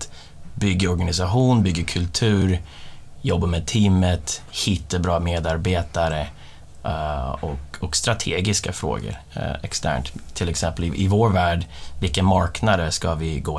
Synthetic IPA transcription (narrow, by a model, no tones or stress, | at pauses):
t̪ | bʏɡːaɔɾɡanɪsaɧuːnbʏɡːakʰɵlt̪ʰʉ̟ːɾ | jɔbːamɛːd̪̚t̪ʰiːmət̪hɪt̪ːabɾɑːmeːd̪aɾbeːt̪aɾə | ɔkɔkst̪ɾat̪ʰeːɡɪskafɾo̰ːɡə̰ɾ | ɛkst̪ʰæ̰ːɳt̪t̪ʰːɪlɛksɛmpəlɪʔɪvoːɾvæːɖvɪlkːənmaɾknad̪əʂkavɪɡoː